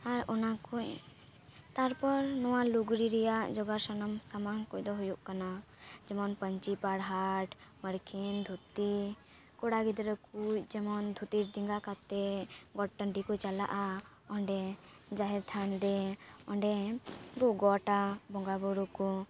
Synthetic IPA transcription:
aɾɔnakʰuɲ | t̪aɾpɔɾnɔwaluɡɾiɾɛjaʔd͡ʒɔɡasanɔmsamaŋkujd̪ɔɦujuʔkanad͡ʒɛmɔnpəɲt͡ʃipaɽɦaʈməɾkʰind̪ʱut̪i | kɔɽaɡid̪ɾɔkuc̚d͡ʒɛmɔnd̪ʱut̪iɾd̪iŋɡakat̪ɛɡɔʈ̚ʈəɳɖikɔt͡ʃala̰ʔa | ɔɳɖɛ | d͡ʒaɦɛɾt̪ʰanɾɛɔɳɖɛɡɔɡɔʈabɔŋɡabɔɾukɔ

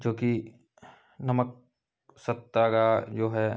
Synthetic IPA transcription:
d͡ʒoːki | nɐmək̚ | sɐt̪ːakad͡ʒoːɦɛː

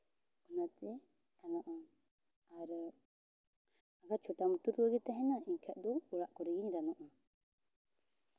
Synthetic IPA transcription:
unat̪ɛ | ɾanɔʔɔ | aɾ | aɡat͡ʃʰuʈamut̪uɾɡɔɡɛt̪aɦɛnaiŋkʰaʔd̪ɔuɾaʔkɔɾiɡiɲɾanɔʔɔ

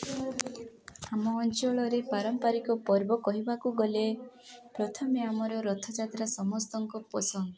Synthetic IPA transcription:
amɔːnt͡ʃɔɭɔɾepaɾɔmpaɾikɔpɔɾbɔkɔɦibakuɡɔle | pɾɔt̪ʰɔmeamɔɾɔɾɔt̪ʰɔd͡ʒat̪ɾasɔmɔst̪ɔŋkɔpɔsɔŋ

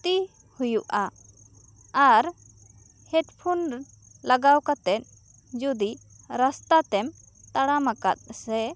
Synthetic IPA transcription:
t̪i | hujuʔa | aɾ | hɛʈpʰun | laɡawkat̪ɛt̪̚ˀ | d͡ʒud̪i | ɾast̪at̪ɛm | t̪aɽamaka̰t̪̚sɛ

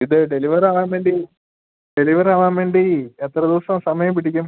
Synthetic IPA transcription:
iðɨɖe̞liʋɐɾaːʋaːmʋeːɳɖi | ɖe̞liʋɐɾaːʋaːnʋe̞ːɳɖiet̪rɐðiʋɐsɐmsɐmɐjɐmpiɽikʲːum

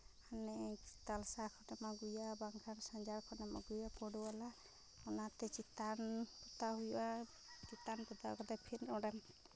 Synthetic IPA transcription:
anɛt̪alsakʰɔnɛmaɡujabaŋkʰansaɲd͡ʒaɾkʰɔnɛma̰ɡujapɔɽuala | ɔnat̪ɛt͡ʃit̪anpɔt̪aɦuja | t͡ʃit̪anpɔt̪akɔt̪apʰiɾɔɽam

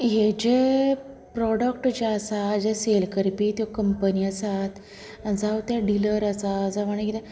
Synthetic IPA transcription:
ɦed͡ʑe | pɾɔɽəkʈd͡ʑaːsad͡ʑeselkəɾpiːt̪jɔkəmpəniasat̪ | ãd͡zawt̪jaɖiləɾasad͡zaʋaɳ̃ekit̪ɛ̃

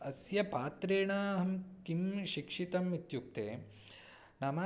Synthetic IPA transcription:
ɐsjɐpaːt̪ɾeːɳaːɦɐmkimʃikʂit̪ɐmit̪juk̚t̪eː | nɐma

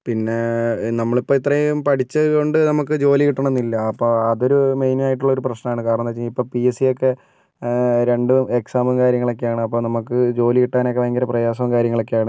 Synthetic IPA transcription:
pinːe̞nɐmːɐɭipːoːit̪rɐjumpɐʈit͡ɕːɨko̞ɳɖɨnɐmukːɨd͡ʑo̞ːlikiʈːɐɳenːilːɐːpːo̞ːɐðo̞ɾume̞jnimaːjiʈ̬ːuɭːɐo̞ɾuprɐɕnɐmaːɳɨkaːɾɐnːɐt͡ɕːiipːo̞ːpiesijo̞kːe̞ | ɾe̞ɳɖueksaːmɨmkaːɾjɐŋːɐɭo̞k̬ːejaːɳɨɐpːoːnɐmukːɨd͡ʑo̞ːlikiʈːaːnokːeʋɐŋɡɐɾɐprɐjaːs̬ɐɐmkaːɾjɐŋːɐɭo̞kːejaːɳɨ

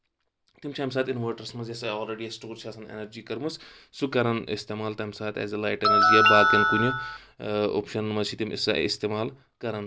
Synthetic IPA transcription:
t̪imt͡ʃʰɐms̬aːt̪inʋɐːʈɐɾsmɐzjɐsɐoːlɾeːɖiɐsʈoːɾt͡ʃʰaːsɐnḛnɐɾd͡ʒiːkɐɾmɨs | sukɐɾɐnḭst̪eːmaːlt̪ɐmsaːt̪ɛ̰ːzɐlaːjʈenɐɾd͡ʒijabaːkɐnkunu | o̰ːpʃɐnmɐzt͡ʃʰit̪imḭsɐ̰ḭst̪eːmaːl | kɐɾɐn

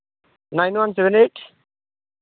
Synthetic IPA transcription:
najnʋanseʋɛ̃neːʈ

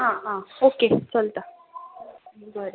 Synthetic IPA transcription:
ɦãɦãoket͡səlt̪a | bʱəɾe

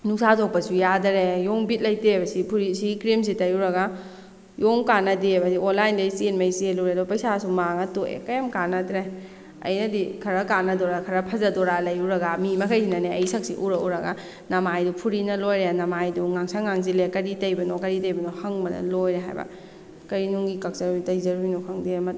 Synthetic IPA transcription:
nuŋsatok̚pɐsujadɐɾejoŋbit̚lɐjtebɐsipʰuɾisikɾims̬itɐjuɾɐɡa | joŋkanɐdiajbɐsionlajndɐjsienmɐjseluɾedɔpɐjsasumaŋɐtoḛkɐjamkanɐtɾe | ɐ̰jnɐdikʰɐɾɐkanɐdɔɾakʰɐɾɐpʰɐzɐdɔɾalɐjuɾɐɡamimɐkʰɐjsinɐneɐjsɐk̚siʔuɾɐuɾɐɡa | nɐmajdupʰuɾinɐlojɾenɐmajduŋaŋsaŋaŋzilekɐɾitɐjbɐnokɐɾitɐjbɐnohɐŋbɐnɐ̰lojɾeɦa̰jbɐ̰ | kɐɾinuŋɡikak̚sɐɾujtɐjzɐɾujnokʰɐŋdimɐt

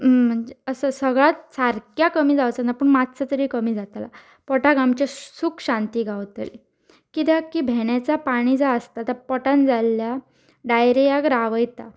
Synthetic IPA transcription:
m̤əɳd͡ʑeəsəsəɡɭat̪t͡saɾkjakəmiːd͡zaʋt͡sanapəɳmat̪t͡sət̪əɾikəmiːd͡zat̪la̰ | pɔʈaɡamt͡ɕesuːkɕãnt̪iːɡʱaʋt̪ə̰li | kit̪jakibʱeɳjat͡sapaɽ̃iːd͡zaəst̪at̪əɾpɔʈãnd͡zalːja | ɖajɾijaɡɾaʋəjt̪a̰

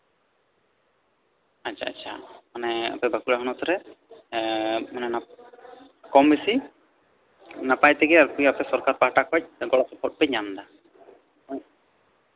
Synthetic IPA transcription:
at͡ʃʰa̰ːt͡ʃʰa̰manɛa̰pɛbakulaɦɔnat̪ɔɾɛ | manɛna | kɔmbesi | napajt̪ɛɡɛaɾpujapɛsɔɾkaɾpaɦʈakʰɔc̚ɡɔɽɔkɔpʰɔʈ̚pɛɲamd̪a

